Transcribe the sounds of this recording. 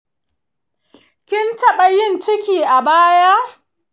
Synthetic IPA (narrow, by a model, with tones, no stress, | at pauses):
kʲɪ˦ntɐ˨ɓɐ˨jɪ˦˨nt͡ʃɪ˦kʲiː˨ʔa˨baː˦ja˦ʔ